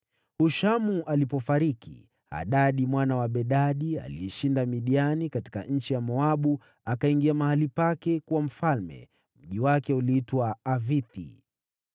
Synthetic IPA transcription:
huʃamuʔalipɔfaɾikḭ | a̰ɗaɗimwanawaɓɛɗaɗia̰lḭɛʃindamiɗianikati̥ka̰ɲ̩t͡ʃijamɔaɓu | akaiŋɡiamahalipakɛkuwam̩falmɛ̰ | m̩ʄiwakɛuliitwaːviθḭ

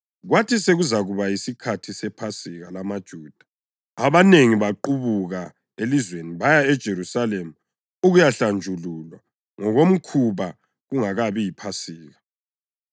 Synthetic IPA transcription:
ɣwatʰiseɣuzaɣuβajisikʰatʰisɛpʰasiɣalamad̥ʒ̥ʱuːd̥ʱḁ | aβaneŋiβaǃuβuɣa | elizweniβajaɛd̥ʒ̥ʱeɾusalemu | uɣujaɬand͡ʒʱululwa | ŋɔɣom̩kʰuβa | ɣuŋaɣaβijipʰasiːɣa

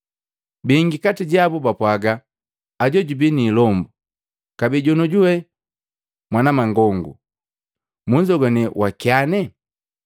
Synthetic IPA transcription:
biŋɡikatiɟabubapwaɡaː | ɟɔɟubiniːlɔmbu | kabiɟɔnɔɟuwɛ | mwanamaŋɡɔŋɡṵ | muɲd͡ʒɔɡɔnɛwakianɛ

